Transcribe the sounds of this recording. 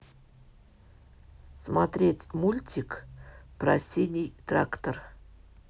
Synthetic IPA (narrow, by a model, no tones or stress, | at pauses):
smat̪ɾʲetʲmulʲtʲikpɾasʲenʲɪjt̪ɾakt̪ər